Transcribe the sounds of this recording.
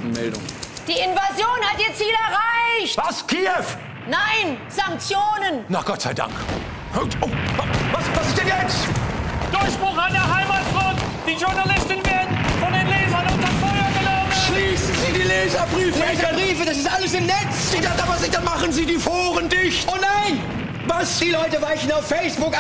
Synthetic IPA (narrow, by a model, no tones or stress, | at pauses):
mɛ̰ldʊ̰ŋ | d̥iːɪnvazjoːnhatʔiːɐt͡siːlɛɐʁaɪçtvaskʰeːɛf | naɪnz̥aŋk̚t͡sjoːnənnaɡ̥ɔtz̥a̰ɪda̰ŋk | høtovvasvasɪstd̥ɛnjɛt͡s | d̥ʊɐçb̥ʁʊχaɪdɐɦaɪmatʁɔːtd̥iːʒʊɐnalɪstɪnveːɐdnfɔndeːnleːzɐnʊntɐfɔʏɐɡənɔməʃliːsn̩ziːdiːleːzɐbʁiːfləeːzɐbʁiːfəd̥as̬ɪstʔaləsɪmnɛt͡sdadavasɪd̥anmaχənziːdiːfoːʁəndɪçtnaɪn | vasd̥iːlɔʏtəvaɪçn̩aʊfːɛɪsb̥ʊk